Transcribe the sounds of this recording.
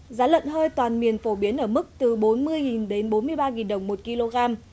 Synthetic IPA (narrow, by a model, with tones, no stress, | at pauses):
zaː˨˦lwə̰˧˨nɦəː˧jt̪waː˨˩nmi˨˩ənfo˧˩ɓi˨˦ənʔəː˧˩mɨ˦˥k̚t̪ɨ˨˩ɓo˨˦nmɨ˧əjŋi˨˩nɗe˨˦nɓo˨˦nmɨ˧əjɓaː˧ŋḭ˨˩nɗə˨˩wŋ͡mmo˨˩t̚ki˧lo˧ɣaː˧m